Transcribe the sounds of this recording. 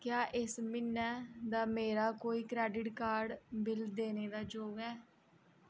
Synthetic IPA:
kjaːʔɪsmɪnːɛːd̪aːmeːɾaːkoːiːkɾɛːɖɪʈkaːɾɖbɪld̪eːneːd̪aːd͡ʒoːɡɛː

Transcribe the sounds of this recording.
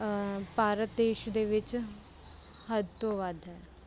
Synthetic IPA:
paːɾət̪̚d̪eːʃd̪eːʋɪt͡ʃ | həd̪t̪õːʋəd̪ɦɛː

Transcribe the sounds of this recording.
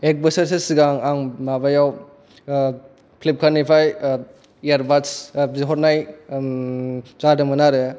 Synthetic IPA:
ek̚bɐsɐɾsesiɡaŋaŋmabajaw | pʰlip̚kʰanipʰaj | eɾbatsiɦɔɾnaj | zadɯmɐnaɾɯj

